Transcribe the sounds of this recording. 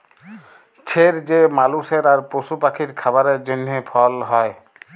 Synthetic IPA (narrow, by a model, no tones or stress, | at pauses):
t͡ɕʰeɾd͡ʑemaluseɾaɾpɾosupakʰiɾkʰabaɾeɾd͡ʑonːepʰɔlɦɔe